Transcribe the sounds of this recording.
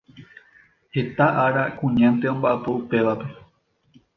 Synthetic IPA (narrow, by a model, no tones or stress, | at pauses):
he̞t̪aʔaɾakũɲãnt̪e̞õ̞mbaʔapo̞upe̞ʋape̞